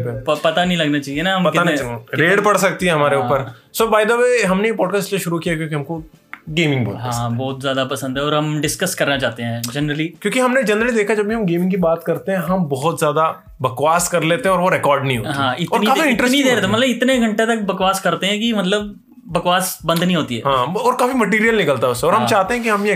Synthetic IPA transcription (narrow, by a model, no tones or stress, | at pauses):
pepɐpɐt̪anɐɦĩlɐɡnat͡ʃaːɦienaɦɐmɐtkɪaɾeːɽpɐɽsɐk̚t̪iɦɛ̃ɦɐmaːɾeuːpəɾsobaːɪjd̪aʋeɦɐmnejepɔːɖkaːsʈeʃʊɾukijakjõːkiɦɐmko | ɡeːmɪ̃ŋɡbɔ̰ːɦãːbɔːt̪zjaːd̪apɐsə̃nd̪ɦɛɔːɾɦɐmɖɪskəskɐɾnat͡ʃaːt̪eɦɛ̃ːd͡ʒɐnɾəlikjõːkiɦɐmned͡ʒɐnɾəlid̪eːkʰad͡ʒɐbʱiɦɐmɡeːmɪ̃ŋɡkibaːt̪kɐɾt̪eɦɛ̃ɦɐmbɔɦɔt̪zjaːd̪a | bɐkʋaːskɐɾleːt̪eɦɛ̃ɔːɾʋoɾɛkɔːɾɖnɐɦĩɦoːɦãːɪt̪ɔːɾnikaːfiɪ̃ɳʈɾnid̪eɾɛːt̪ʰemɐt̪lɐɪt̪neɡʱɐ̃ɳʈet̪ɐk̚bɐkʋaːskɐɾt̪eɦɛ̃k̬imɐt̪̬ləb̚ː | ɐkʋaːsbɐ̃nd̪nɦĩɦoːt̪iɦɛ̰ːɦãɔːɾkaːfimɐʈiːɾijəlnɪkəlt̪aɦɛʊsːeɔːɾɦɐmt͡ʃaːɦt̪ẽɦɛ̃kiɦɐmje